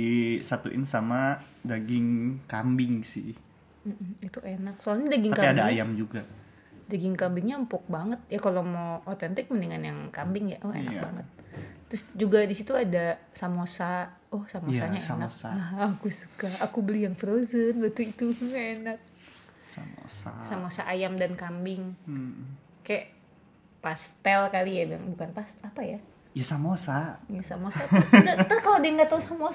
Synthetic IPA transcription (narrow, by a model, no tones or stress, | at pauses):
isat̪uʔɪ̰nsamadaɡɪŋkambɪŋsɪ̰ | m̩m̩it̪uʔenak̚soalɲadaɡɪŋakapiadaajamd͡ʒuɡa | daɡɪŋkambɪŋɲampʊk̚baŋət̪̚jakalomoʔot̪ɛnt̪ɪk̚məniŋanjaŋkambɪŋja̰ʔʊhḛna̰kba̰ŋət̪̚ːɾʊsd͡ʒuɡadisit̪uada | samosa | ɔhsamosaɲaenakaɦːkusu̥kaakubəlijaŋfəɾozənbət̪uit̪uŋaenak̚ | sa̰mo̰sa̰samosaʔajamdankambɪŋ | kaja | past̪ɛlkalijab̰ŋbukanpast̪apaja | jasamosajasamosanat̪akalodaŋɡat̪ausamo